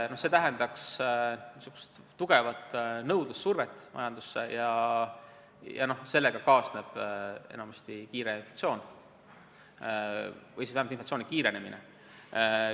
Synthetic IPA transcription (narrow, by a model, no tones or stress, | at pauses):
no̞hse̞t̪æɦend̪ɑks | sukːu̥st̪ːuɡ̥e̞vɑt̪ːnɤwd̪̥usːurvet̪ˑːmɑ̰jɑnd̪̥usːe̞jɑ | jɑ̰no̞hse̞lːe̞ɡ̥ɑkɑosne̞b̥e̞̰nɑmust̪ikiːɾeinflɑ̥t̪sio̞ːn | vɤjsisæhæmt̪inflɑt̪sioːnikiːɾe̞ne̞mine